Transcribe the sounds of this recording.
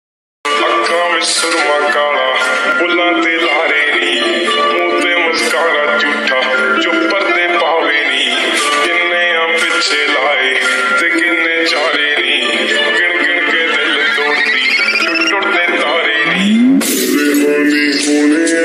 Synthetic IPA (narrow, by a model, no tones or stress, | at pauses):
əkːãːʋɪst̪ʊɾmãːkaːɳaːpʊlaːt̪eːlaːɾeːɾiː | toːt̪ẽːməzkaːnãːd͡ʒuːʈaː | t͡ʃʊpːəɾneːpaːʋeːɾiː | kɪnːẽːãmpɪt͡ʃʰeːlaːɾeː | t̪eːkɪnːẽːt͡ʃaːɾeːɾiː | kɪɳkɪkẽːd̪eleːd̪oːɳd̪iː | ʈʊɽneːt̪aːɾeː | iː